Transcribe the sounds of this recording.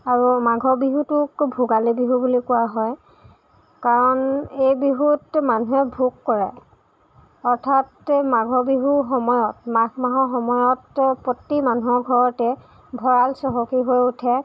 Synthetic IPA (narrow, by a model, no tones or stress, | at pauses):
aɹumaɡʱɔbiɦutʊkbʱuɡalebiɦubulikʊwaɦɔj | kaɹɔnejbiɦutmanuɦɛbʱukːɔɹɛ | ɔɹtʰatmaɡʱɔbiɦuxɔmɔjɔt̚makmaɦɔxɔmɔjɔtpotːimanuɦɔɡʱɔɹɔtɛ | bʱɔɹalsɔɦɔkiɦojutʰɛ